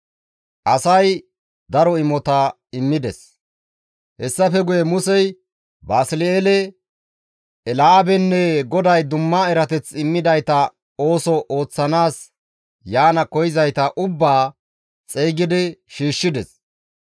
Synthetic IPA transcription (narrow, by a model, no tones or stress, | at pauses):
ʔɐsɐj | d̪ɐɾɔɪmɔt̪ɐ | ɪmːɪd̪ɛs | hɛsːɐfɛɡʊjɛmʊsɛj | baːsɪleːlɛ | ɛlaːbɛnːɛɡɔd̪ɐjd̪ʊmːaɛɾɐt̪ɛt͡sɪmːɪd̪ɐjt̪ɐ | o̞ːsɔʔo̞ːt͡sːɐnaːs | jaːnɐkɔjɪzɐjt̪ɐʔʊbːaː | t͡sʼejɡɪd̪ɪʃiːʃːɪd̪ɛs